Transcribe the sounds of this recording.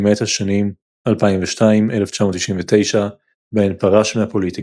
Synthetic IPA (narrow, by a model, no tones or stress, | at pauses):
met̪haʃanim | alpaimveʃtaime̞left͡ʃamo̞t̪ːiʃimvet̪e̞jʃa | benpaʁaʃmeapo̞lit̪i